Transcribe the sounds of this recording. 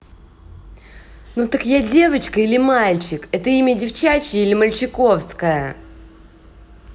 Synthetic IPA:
nut̪əkjadʲe̞vət͡ɕkəilʲɪmalʲt͡ɕɪkɛt̪əimʲədʲɪft͡ɕat͡ɕɪilʲɪməlʲt͡ɕɪko̞fskəjə

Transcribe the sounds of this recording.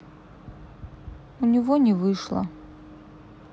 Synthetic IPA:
unʲivɔnʲɪvɨʂlˠɐ̰

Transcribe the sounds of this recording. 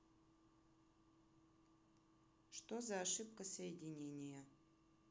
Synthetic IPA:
ʂt̪ozɐːʂɨp̚kəsəjɪdʲɪnʲenʲɪjə

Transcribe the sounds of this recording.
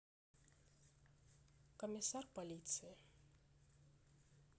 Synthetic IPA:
kəmʲɪsarpɐlʲit̪sɨɪ

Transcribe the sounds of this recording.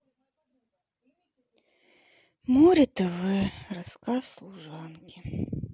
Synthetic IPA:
muɾʲɪt̪ɛʋɪrɐskɑslˠuʒɑnkʲɪ

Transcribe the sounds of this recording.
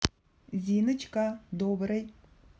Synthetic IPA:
zʲinɨt͡ʃkad̪obɾəj

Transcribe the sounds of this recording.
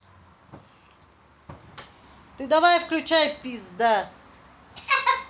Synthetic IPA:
t̪ɨd̪ɐvajfklʲut͡ɕajpʲizd̪a

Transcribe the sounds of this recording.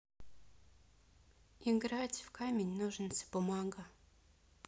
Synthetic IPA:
iɡɾatʲfkamʲenʲnuʐɨnsʲə̥bʊmɑɡə

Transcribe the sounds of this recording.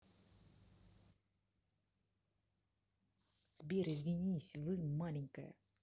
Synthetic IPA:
zʲbʲeɾɪzʲvʲɪnʲisʲvɨmalʲɪŋʲkəjə̰

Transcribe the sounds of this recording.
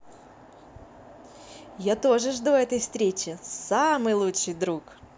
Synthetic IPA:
jat̪o̞ʐɨʐd̪oɛt̪əjfst̪ɾʲet͡ɕɪsamɨjlˠutʂɨjd̪ɾuk

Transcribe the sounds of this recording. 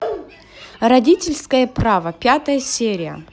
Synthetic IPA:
rɐdʲitʲɪlʲskəjəpravəpʲat̪əjəsʲeɾʲɪjə̰

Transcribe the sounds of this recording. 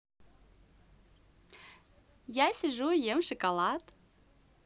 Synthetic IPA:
jasʲɪʐujemʂɨkɐlˠɑt̪

